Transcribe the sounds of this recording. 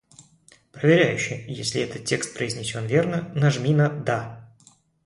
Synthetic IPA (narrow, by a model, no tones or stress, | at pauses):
pɾəvʲɪɾʲæjʉɕːɪjesʲlʲɪɛt̪ət̪̚ʲtʲe̞kst̪̚pɾəɪzʲnʲɪsʲo̞nvʲe̞rnənɐʐmʲinəd̪a